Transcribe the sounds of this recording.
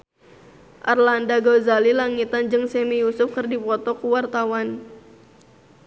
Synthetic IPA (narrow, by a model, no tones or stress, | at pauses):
ʔarlandaɡozalilaŋit̪and͡ʒɨŋsɛmijusʊfkɨrdipɔt̪ɔkuwart̪awan